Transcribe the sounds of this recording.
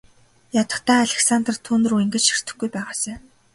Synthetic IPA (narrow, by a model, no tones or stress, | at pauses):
jat̪ə̆χt̪ʰæːaɮeksant̪rt̪ʰuːnɵ̆ruːiŋɡɘ̆t͡ɕʃi̥r̥t̪ɘ̆xɡujpæːʁaːsæː